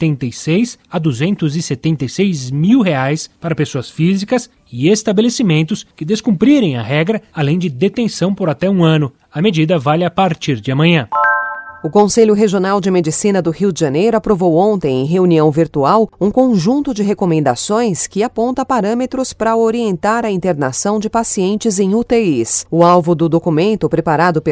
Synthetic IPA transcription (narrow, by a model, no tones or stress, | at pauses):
t̪ẽnt̪ejsejsɐd̪uzẽnt̪ʊzɪset̪ẽnt̪ejsejzmiwɦeajspaɾɐpesoɐsfizikɐs | ɪest̪abelesimẽnt̪ʊskɪd̪eskũpɾiɾẽj̃ɐɦɛɡɾɐalẽj̃d͡ʒɪd̪et̪ẽsɐ̃w̃poɾat̪ɛũɐ̃nʊ | ɐmed͡ʒid̪ɐvaʎapaɾt͡ʃiɾd͡ʒɪɐmɐ̃ɲɐ̃ | ʊkõseʎʊɦeʒionawd͡ʒɪmed͡ʒisĩnɐd̪ʊhiwd͡ʒɪʒɐnejɾʊapɾovowõnt̪ẽj̃ẽj̃ɦeuniɐ̃w̃viɾt̪uawũkõʒũnt̪ʊd͡ʒɪɦekomẽnd̪asõj̃skɪapõnt̪ɐpaɾɐ̃met̪ɾʊspɾɐoɾiẽnt̪aɾɐĩnt̪eɾnasɐ̃w̃d͡ʒɪpasiẽnt͡ʃɪzẽj̃ut̪eisʊawvʊd̪ʊd̪okumẽnt̪ʊpɾepaɾad̪ʊp